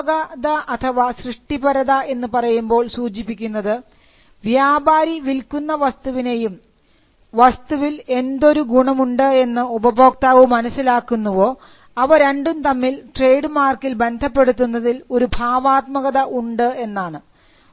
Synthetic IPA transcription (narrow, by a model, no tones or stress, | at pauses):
ɣɐd̪ɐʔɐt̪ʰɐʋaɕrɨʂʈibɐɾɐðɐe̞nːɨpɐrɐjumbo̞ːɭsuːt͡ɕipːikʲːunːɐðɨ | ʋjaːbʱaːɾiʋilkunːɐʋɐst̪uʋine̞jum | ʋɐst̪uʋile̞nd̪o̞ɾuɡuɳɐmuɳɖɨe̞nːɨubɐbʱo̞ːk̚t̪aːʋumɐnɐsːilaːkːunːuʋo̞ː | ɐʋɐɾe̞ɳɖumt̪ɐmːilʈre̞jɖɨmaːrkːilbe̞nd̪ʱɐpːe̞ɽut̪̬ːunːɐðilo̞ɾubʱaːʋaːt̪̚mɐɣɐðɐʔuɳɖɨe̞nːaːɳɨ